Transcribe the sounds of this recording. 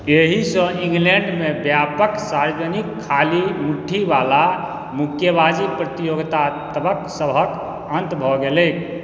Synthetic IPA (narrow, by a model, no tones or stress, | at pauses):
eɦisə̃ĩŋɡleɳɖmebjapəksaɾd͡ʒənikʰːalimuʈʰːiʋala | mukʰjəbad͡ʒipɾət̪ijoɡt̪at̪əbəksəbʱək | ə̃nt̪bʱɔɡelek